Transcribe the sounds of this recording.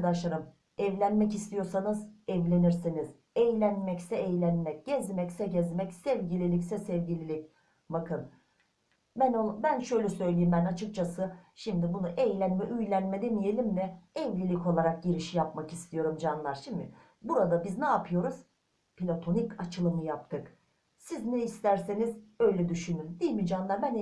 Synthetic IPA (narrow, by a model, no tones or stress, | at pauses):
ad̪aʃlˠaɾɯm | ɛvlʲænmɛcist̪ʰijo̞ɾsanɯzɛvlʲe̞niɾsiniz̥ | ɛjlʲænmɛcsɛːjlʲænmɛc̚ɟ̥ɛzmɛcsɛɟɛzmɛcsɛvɟilʲilʲicsɛsɛvɟilʲilʲic | bakɯn | bænobænʃøjlʲɛsø̞jlʲijimbænat͡ʃʰɯk̚t͡ʃʰasɯʃimd̪ibunuʔɛjlʲænmɛʔyjlʲænmɛd̪enije̞lʲimd̪ɛɛvlʲilʲico̞lˠaɾak̚ɟiɾiʃijapmakist̪ʰijo̞ɾumd͡ʒanlˠaɾʃimd̪ɪ | buɾad̪abiznaːpʰɯjo̞ɾuz̥ | pʰilʲot̪ʰo̞nicat͡ʃʰɯlˠɯmɯjap̚t̪ʰɯk | siznɛist̪ʰæɾsenizø̞jlʲɛd̪yʃynynd̪ijmid͡ʒanlˠaɾbæn